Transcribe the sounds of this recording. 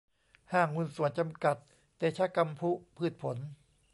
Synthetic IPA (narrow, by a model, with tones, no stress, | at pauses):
haː˧˩ŋːu˧˩nsu˨˩˦ənt͡ɕa˧mka˨˩t̪̚ː | eː˨˩t͡ɕʰa˦˥ka˧mpʰu˦˥pʰɯː˧˩t̪̚pʰo˩˦n